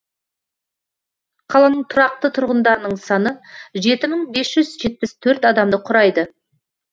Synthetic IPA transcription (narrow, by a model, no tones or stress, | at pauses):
qʰɑlˠɑnəɴt̪ʰʊɾɑq̚t̪ət̪ʰʊɾʁənd̪ɑɾənəɴsɑnəʒe̞t̪ɪməɴbe̞sʒ̥ʏzʒe̞t̪̚pɪst̪ʰɵɾt̪ɑd̪ɑmd̪əqʰʊɾɑjd̪ə